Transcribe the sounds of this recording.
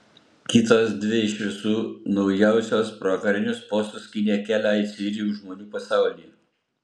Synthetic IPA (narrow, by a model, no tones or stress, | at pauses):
kʲɪt̪oːsd̪ʲʋʲɪɪʃʲʋʲɪsuːnɒʊjɛˑʊsʲoːspɾoːkɐɾʲɪnʲʊspoːst̪ʊskʲɪnʲeːkʲæːlʲæːɪsʲɪɾʲijuːʒmoːnʲuːpɐsɑˑʊlʲiːjɛ